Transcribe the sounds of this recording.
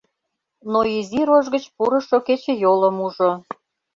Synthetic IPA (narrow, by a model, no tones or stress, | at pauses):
noiziɾoʒɣət͡ɕpuɾə̆ʃoket͡ɕĕjoləmuʒo